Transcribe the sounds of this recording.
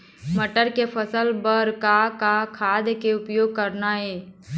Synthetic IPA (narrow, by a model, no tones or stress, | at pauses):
məʈəɾkepʰəsəlbəɾkakakʰaːd̪jkeʊpjoːɡ̚kəɾnaɦeː